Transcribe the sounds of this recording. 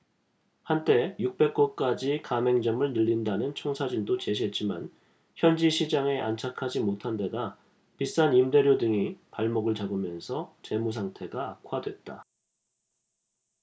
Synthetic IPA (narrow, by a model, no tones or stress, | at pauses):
hant͈e̞juk̚p͈e̞k͈ok͈ad͡ʑikame̞ŋd͡ʑʌmɯɭnɯʎːindanɯnt͡ɕʰʌŋsʰad͡ʑindot͡ɕe̞ɕʰiɦet̚t͡ɕ͈ima̰n | çjʌnd͡ʑiɕʰid͡ʑaŋe̞ʔant͡ɕʰakʰad͡ʑimotʰande̞da | pis͈animde̞ɾjodɯŋipaɭmʌɡɯɭt͡ɕaɡɯmjʌnsʰʌt͡ɕe̞mus̬ʰaŋtʰe̞ɡaːkʰwadwe̞t̚t͈a